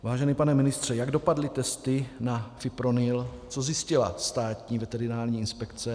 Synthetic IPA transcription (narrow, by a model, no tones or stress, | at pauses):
vaːʒɛnipanɛmɪnɪst̪r̝̥ɛjaɡdopadlɪt̪ɛst̪ɪnafɪpɾonɪlt͡sozjɪscɪla̰st̪aːt̪ɲiːvɛt̪ɛɾɪnaːlɲiːɪnspɛkt͡sɛ